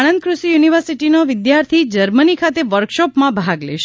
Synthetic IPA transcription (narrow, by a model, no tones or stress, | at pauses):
ɽ̃ənd̪̚kɾusijuniʋəɾsiʈinoʋɪd̪jaɾt̪ʰid͡ʒəɾmənikʰat̪eʋəɾkʃɔpmãbʱaɡlḛʃ